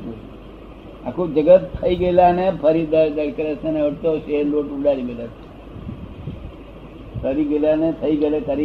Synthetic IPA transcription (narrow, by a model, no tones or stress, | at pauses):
a̰kʰud͡ʒəɡət̪ʰːəiɡəlanepʰəɾid̪aɾd̪əɾkəɾeseneʋəʈt̪oʃeɾloʈuɖaɾiɡelesʰe̥ | pʰəɾiɡelanet̪ʰəiɡəlek̪aɾi